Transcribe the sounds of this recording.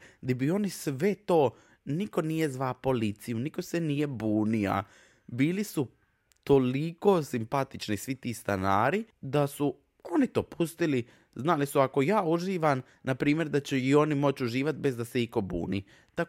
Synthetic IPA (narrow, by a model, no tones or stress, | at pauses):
d̪ibio̞nisʋe̞t̪o̞ː | niko̞nije̞zʋapo̞lit̪sijuniko̞se̞nije̞buːnia̰ | biːlisu | t̪o̞liko̞ːsimpat̪it͡ʃnisʋit̪iːst̪anaːɾid̪asu | o̞nit̪o̞ːpʰust̪ili | znalisuako̞jaːuʒiːʋam | napɾiːmje̞ɾd̪at͡ɕeio̞nimo̞t͡ɕuʒiːʋat̪̚be̞zd̪ase̞iko̞bṵːnḭː | t̪a